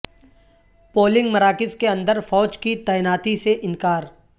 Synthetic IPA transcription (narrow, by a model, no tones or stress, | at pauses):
poːlɪ̃ŋɡmɐɾaːkɪzkeɐ̃nd̪əɾfɔːd͡ʒkit̪ɛːɪnaːt̪iseʔɪ̃nkaːɾ